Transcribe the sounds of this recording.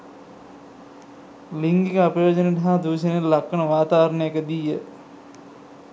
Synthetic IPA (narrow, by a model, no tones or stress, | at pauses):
liŋɡikəapəjoːd͡ʒəneʈɐɦaːd̪uːʃənelːakːənəʋaːt̪aːɐɾənəjəkəd̪ijə